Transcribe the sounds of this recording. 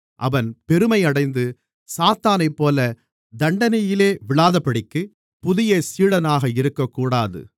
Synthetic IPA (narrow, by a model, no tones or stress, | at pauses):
ʔɐʋɐnpɛɾɯmɐɪɐɽɐɪnd̪ɯ | saːt̪aːnɐɪpːoːlɐ | d̪ɐɳɖɐnɐjɪleːʋɪɭaːðɐpːɐɽɪkːɯ | pʊðɪjɐsiːɽɐnaːɣɐɪɾɯkːɐkːuːɽaːðɯ̰